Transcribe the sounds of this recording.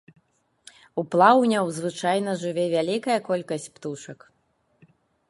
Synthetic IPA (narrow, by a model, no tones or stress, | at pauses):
uplˠawnʲɐwzvɨt͡ʂajnɐʐɨvʲɛvʲalʲikɐjɐkɔlʲkɐsʲt͡sʲpt̪uʂɐk